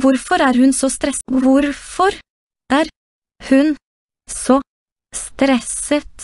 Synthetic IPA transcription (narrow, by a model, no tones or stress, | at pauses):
ʋʊɾfɔɾæːɾhʉnsɔst̪ɾɛsʋʊɾfɔɾ | æːɾ | hʉn | sɔ | st̪ɾɛsət̪